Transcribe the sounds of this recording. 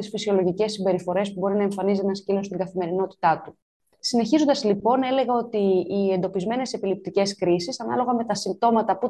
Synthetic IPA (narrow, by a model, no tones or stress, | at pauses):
t̪isfisio̞loʝice̞sːimbe̞ɾifo̞ɾe̞spubo̞ɾinɐeɱfɐnizt̪enɐscilo̞st̪iŋɡɐθime̞ɾino̞t̪i̥t̪ɐt̪u | sine̞çizo̞nd̪ɐzlipo̞ne̞le̞ɣɐo̞t̪iːe̞nd̪o̞pizme̞ne̞se̞pilip̚t̪ice̞skɾisisɐnɐ̰lo̞ɣɐme̞t̪ɐsimb̚t̪o̞mɐt̪ɐpu